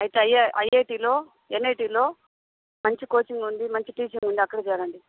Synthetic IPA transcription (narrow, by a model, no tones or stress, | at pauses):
ɐjit̪eɐjːeʔɐjeːʈiːlo̞ː | enːeːjʈiːlo̞ː | mɐɲt͡ʃikoːt͡ʃiŋɡund̪imɐɲt͡ʃiʈiːt͡ʃiŋɡund̪iɐkːɐɽɐt͡ʃɛːɾɐɳɖi